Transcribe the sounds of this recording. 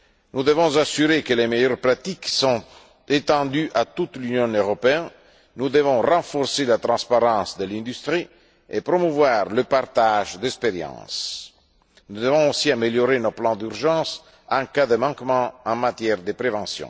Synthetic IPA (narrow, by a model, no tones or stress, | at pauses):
nud̪əvɔ̃zasyɾekəlemejœɾpɾat̪iksɔ̃t | et̪ɑ̃d̪yʔat̪ut̪lynjɔ̃nøʁopeɛn | nud̪əvɔ̃rɑ̃fɔɾselat̪ɾɑ̃spaɾɑ̃ːsd̪əlɛ̃nd̪yst̪ɾi | epɾomuvwaːɾləpart̪aʒd̪ɛkspeɾjɑ̰̃ːs | nud̪əvɔ̃osiameljoɾenoplɑ̃d̪yɾʒɑ̃s | ɑ̃kad̪əmɑ̃kmɑ̃ɑ̃mat̪jɛʁd̪əpɾevɑ̃sjɔ̰̃